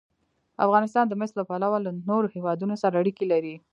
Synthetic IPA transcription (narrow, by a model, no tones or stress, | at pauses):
a̰fɣɑnɪs̬t̪ɑnd̪əmɪslapalawalanoɾohewɑd̪unosaɾaːɽikelaɾi